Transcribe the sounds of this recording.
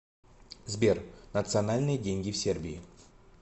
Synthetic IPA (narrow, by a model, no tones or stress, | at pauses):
zbʲernət̪sɨɐnalʲnɨjədʲenʲɡʲɪfsʲerbʲɪɪ